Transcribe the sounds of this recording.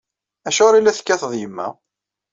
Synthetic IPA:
æʃʊɾilːæθə̥kːæθəðˤjəmːæ̰

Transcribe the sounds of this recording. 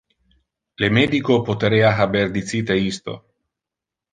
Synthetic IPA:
lemed̪ikopot̪eɾeaɦaberd̪it̪sit̪eist̪o̰

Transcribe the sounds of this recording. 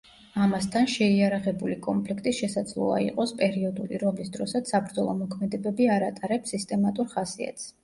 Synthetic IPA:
amast̪ʰanʃɛiaɾaʁɛbulikʼɔmpʰlikʰt̪ʼiʃɛsad̪zlˠɔ̰a̰ḭqʼɔspʼɛɾiɔd̪ulḭɾɔmlisd̪ɾɔsat̪sabɾd̪zɔlˠɔmɔkʰmɛd̪ɛbɛbiaɾat̪ʼaɾɛpsist̪ʼɛmat̪ʼuɾχasia̰t̪ʰʼs

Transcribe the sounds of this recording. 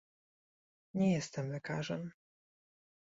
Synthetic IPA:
ɲɛjɛst̪ɛmlɛkaʐɛm

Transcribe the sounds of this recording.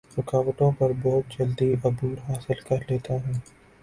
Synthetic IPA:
ɾɪkaːwət̪õpɐɾbɔːt̪̚d͡ʒɐld̪iɐbuːɾɦaːsɪlkɐɾleːt̪aɦɛː

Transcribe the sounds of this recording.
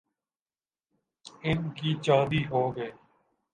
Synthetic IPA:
ɪnkiːt͡ʃãːd̪iːɦoːɡəeː

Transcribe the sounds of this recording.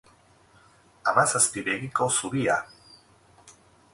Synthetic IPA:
amasast̪iβenikosuβia̰

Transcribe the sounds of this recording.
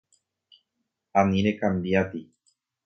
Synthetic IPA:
anĩɾekambiat̪i

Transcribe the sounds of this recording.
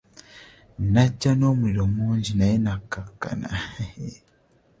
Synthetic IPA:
nacanomuiɾomuːɲɟinajenakaka̰na̰

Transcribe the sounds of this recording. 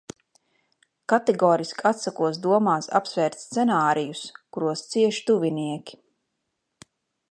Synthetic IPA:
kat̪ɛɡɔːɾiskat̪sakuɔs̬d̪uɔmaːsa̰psvɛːɾt̪st̪sɛnaːɾijuskuɾuɔst̪siɛʃt̪uvʲiniɛkʲi̥

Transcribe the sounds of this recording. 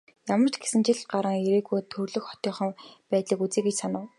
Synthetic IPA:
jamə̆r̥t͡ɕɡe̥sɘ̆nt͡ɕiɮɢaɾə̆ŋeɾeːɣujt̪ʰɵrɮɵ̆xχɔ̥t̪ʲɔːχə̆mpæːt̪ɮə̆kut͡seːkɡet͡ɕsanʊ̆w

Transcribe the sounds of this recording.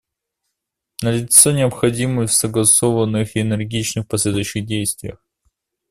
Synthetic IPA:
nəlʲɪt̪sɨnʲɪəpxɐdʲimɨfsəɡlˠɐso̞vənːɨxɪnɨrɡʲit͡ɕnɨxpɐsʲlʲed̪ʊjɕːɪɣdʲejst̪vʲɪjə̰x

